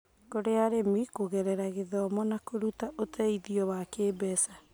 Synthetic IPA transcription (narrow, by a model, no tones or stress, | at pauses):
koɾeaɾemikoɣɛɾɛɾaɣeðɔmɔnakoɾutaʔotʰɛiðiɔwakeːbɛsa